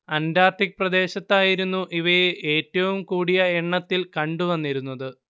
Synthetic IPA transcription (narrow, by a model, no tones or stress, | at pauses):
ɐndaːrt̪ikprɐd̪e̞ːɕɐt̪ːaːjiɾunːuʔiʋɐje̞ːtːɐʋumkuːɽijɐeɳːɐt̪ːilkɐɳɖuʋɐnːiɾunːɐðɨ